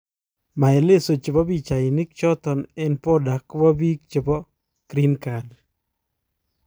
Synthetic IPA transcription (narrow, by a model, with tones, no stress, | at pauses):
ma˨e˨le˦so˨t͡ʃɪ˨bɔ˦bi˦t͡ʃa˨i˨ni˦k̚t͡ʃɔ˦t̪ɔ˨nɛ˦npɔ˦da˨kwɔ˦bi˦k̚t͡ʃe˨bɔ˦ | kɾi˦nka˨d